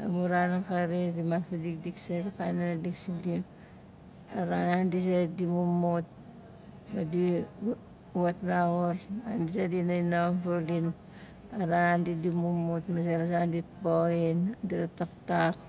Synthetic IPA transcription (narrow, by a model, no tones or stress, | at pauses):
a̰muɾanakaɾidimanpadikdiksetakananadiksidi | aɾanandis̬edimumut̚ | madi | uatnaɣoɾandisedinainanfolin | aɾanandidimumutmaseɾasanditpoindiɾatak̚tak